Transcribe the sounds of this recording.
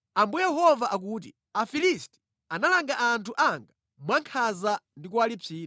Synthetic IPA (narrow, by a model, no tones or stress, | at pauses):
ambujɛɦɔvaʔak̬uːt̬ḭ | afilisti̥ | analaŋɡaʔantʰuʔaŋɡa | mwaŋkʰazandikualipʰiːɾa